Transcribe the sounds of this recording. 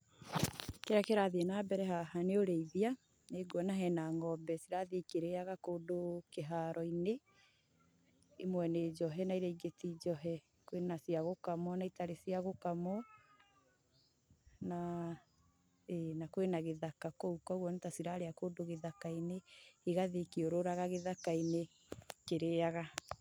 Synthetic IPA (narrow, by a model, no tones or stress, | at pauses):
keɾakeɾaðienaːbɛɾɛɦahaneoɾeiðia | neɡwɔnaɦɛnaŋɔbɛsiɾaðekeɾeaɣakoːdokeɦaɾɔine | emwɛned͡ʒɔɦɛnaiɾɛiɡetid͡ʒɔɦɛ | kwenasiaɣokamɔnaitaɾesiaɣokamɔ | na | enakwenaɣeðakakoukɔɣwɔnetasiɾaɾeakodoɣeðakaineiɣaðekioɾoɾaɣaɣeðakaine | keɾeaɣa